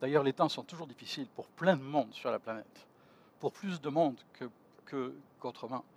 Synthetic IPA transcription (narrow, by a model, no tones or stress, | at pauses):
d̪ajœʁlet̪ɛ̃sɔ̃t̪uʒuʁd̪ifisilpuʁplɛ̃d̪əmɔ̃d̪syʁlaplanɛt̪ | puʁplysd̪əmɔ̃d̪kə | kʰəkot̪χəmɛ̃